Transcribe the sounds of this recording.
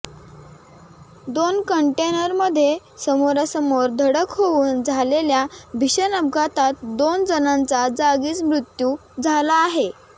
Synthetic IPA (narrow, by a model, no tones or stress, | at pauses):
d̪onkəɳʈenəɾməd̪ʱːje | səmoɾasəmoɾd̪ʱəɽəkɦouːnd͡zʱaleljabʱiɕənəb̚kat̪at̪̚d̪ond͡zənant͡sad͡zaɡiːt͡smɾut̪jud͡zʱalaːɦe